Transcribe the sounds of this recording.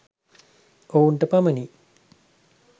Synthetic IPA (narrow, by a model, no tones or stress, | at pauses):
ouɳʈəpaməni